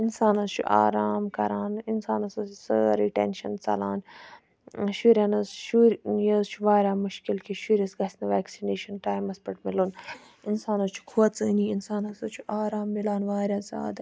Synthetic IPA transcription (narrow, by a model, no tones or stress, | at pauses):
insaːnɐzt͡ʃʰṵʔa̰ːɾaːmkɐ̰ɾaːninsaːnɐsɐsəɾiʈḛnʃɐnt͡sɐ̰laːn | ʃuɾʲɐnɐsʃuɾjɐzt͡ʃʰuʋaːɾʲaːmuʃkilkʰiʃuɾʲɐsɡɐsʲnɐʋaːksineːʃɐnʈaːjmɐspɐʈmilun | insaːnɐt͡ʃʰu̥kʰuːt͡sɨːniinsaːnɐsɐt͡ʃʰuʔaːɾaːmːilaːnʋaːɾʲjaːza̰ːd̪